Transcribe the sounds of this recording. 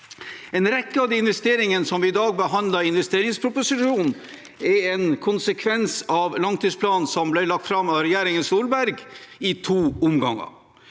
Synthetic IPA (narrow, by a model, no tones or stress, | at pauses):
ɛnɾɛkːəɑd̪iɪnʋɛst̪eːɾɪŋənsɔmʋɪɪd̪ɑːɡ̚bəɦɑnd̪ləɾɪnʋɛst̪eːɾɪŋspʰɾʊpʊsɪʂuːnn̩ | ɛɛnkʰʊnsəkʰʋɛnsɑʋlɑŋt̪ʰiːspʰlɑːnn̩sɔmblɛlɑk̚t̪fɾɑmɑɾɛjæːɾɪŋənsuːlbæɾɡɪt̪ʰuːʊmɡɑŋːə̰